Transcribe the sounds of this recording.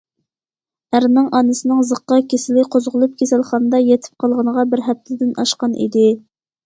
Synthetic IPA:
æɾnɨŋʔɑnɨsɨnɨŋzəqːɑkʲʰesɪlɪqʰozʁʊlˠup̚kʲʰesælχɑnɨd̪ɑjɛt̪ʰɪ̥p̚qʰɑlˠʁənəʁɑbɪɾɦɛp̚t̪ʰɪd̪ɪnɑʃqɑnʔḭd̪ɪ

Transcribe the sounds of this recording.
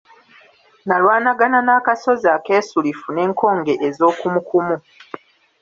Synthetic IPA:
nalwaːnaɡananaːkaso̞zaːke̞ːsulifune̞ːŋkʰo̞ːŋɡe̞ʔezo̞ːkumukumu

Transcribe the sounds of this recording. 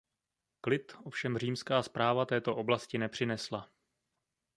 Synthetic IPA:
klɪt̪ʔo̞fʃɛmr̝iːmskaːspɾaːvat̪ɛːt̪o̞ʔoblascɪnɛpr̝̥ɪnɛsla

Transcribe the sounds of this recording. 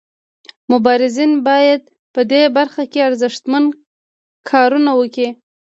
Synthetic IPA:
mʊbɑɾɪzinbɑjad̪̚ | pəd̪ebaɾxakeaɾzɪʃt̪man | kʰɑɾunawəki

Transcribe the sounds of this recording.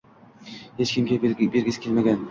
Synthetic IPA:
het͡ʃkʲʰɪmkʲebeɾɡʲɪsɪ̥kʲelmaɡʲan

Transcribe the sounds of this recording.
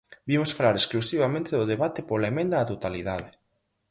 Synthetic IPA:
bimʊsfalaɾesklusiβamẽnt̪ɪðʊðeβat̪ɪpolaemẽnd̪aːt̪ot̪aliðaðɪ

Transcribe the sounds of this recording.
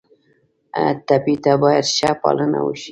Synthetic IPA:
ət̪apit̪abɑjad̪ʃapɑ̰ləna̰wuʃi̥

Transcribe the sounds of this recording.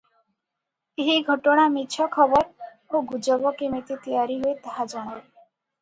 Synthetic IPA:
eɦiɡʱɔʈɔɽ̃amit͡ʃʰɔkʰɔbɔɾ | oɡud͡ʒɔbɔkemet̪it̪ijaɾiɦoet̪aɦad͡ʒɔɽ̃ɔ

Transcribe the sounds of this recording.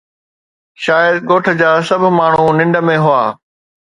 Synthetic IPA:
ʃaːjəd̪ɠoːʈʰə̆d͡ʑaːsɐbʱmaːɳ̤unɪ̃ɳɖəmẽɦʊaː

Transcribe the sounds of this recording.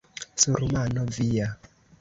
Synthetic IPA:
suɾumanɔvija

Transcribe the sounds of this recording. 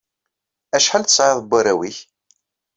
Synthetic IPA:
æʃħalθə̥sˤʕeðˤəbːaɾæwiç

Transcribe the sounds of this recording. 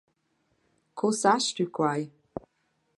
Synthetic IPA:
kʰosaʃtukʰwaj

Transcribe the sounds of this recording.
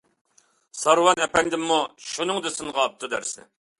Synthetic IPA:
sɑɾwɑnɛpɛnd̪ɪmːuʃunɨŋd̪ɨsɨnʁɑp̚t̪ʰɨd̪æ̰ɾsɪ̰

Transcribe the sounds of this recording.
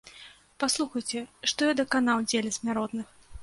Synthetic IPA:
paslˠuxɐjt͡sʲɛʂt̪ɔjad̪ɐkanawd͡zʲelʲɛsʲmʲaɾɔt̪nɨx

